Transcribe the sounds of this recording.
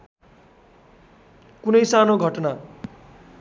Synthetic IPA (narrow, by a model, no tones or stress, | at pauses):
kunʌjsanoɡʱʌʈna